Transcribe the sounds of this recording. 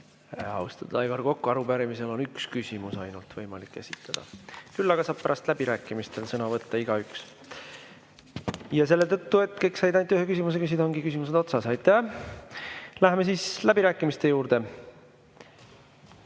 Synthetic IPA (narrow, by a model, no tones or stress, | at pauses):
ɑ̰ust̪ɑd̪̥ɑjvɑrko̞kːuɑɾub̥æɾimise̞lo̞nykskysʲimusɑjnult̪vɤjmɑlikːesʲi̥t̪ːˑɑd̪̥ɑ̰kylːɑɡ̥ɑsɑːb̥̚pæɾʔɑst̪læb̥iɾæːkˑːimist̪e̞lsɤnɑvɤt̪ːɑiɡ̥ɑyks | jɑs̬e̞lːe̞t̪ɤt̪ːue̞t̪ːˑke̞jksɑjd̪ɑnt̪ːyhe̞kys̬ʲimus̬e̞kys̬id̪ɑoŋɡikys̬ʲimuse̞d̪̥o̞t̪sɑsɑjt̪ːˑæ | læɦeme̞siːslæbiɾæːkˑːimist̪e̞juːɾd̪̥e̞